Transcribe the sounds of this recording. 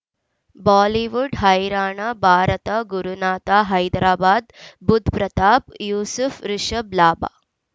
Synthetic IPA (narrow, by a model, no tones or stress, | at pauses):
baːliʋuɖɦɐjɾaːɳaːbʱaːɾɐt̪aɡuɾunaːt̪aːɦɐjd̪ɾaːbaːd̪bud̪ʱpɾɐt̪aːpjuːsufɾɪʃɐblaːba̰ː